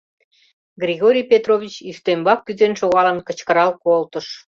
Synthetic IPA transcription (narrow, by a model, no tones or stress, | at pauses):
ɡrʲiɣoɾʲijpʲet̪rovʲit͡ɕyst̪embɑk̚ːyzenʃoɣɑlənkə̆t͡ɕkəɾɑlkolt̪əʃ